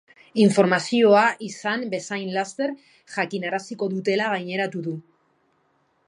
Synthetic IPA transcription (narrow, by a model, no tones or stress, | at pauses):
iɱfo̞ɾmasio̞aʔisambe̞sajnlast̪e̞ɾ | ʝakinaɾasiko̞ðut̪e̞laɣ̞ajɲe̞ɾat̪uðu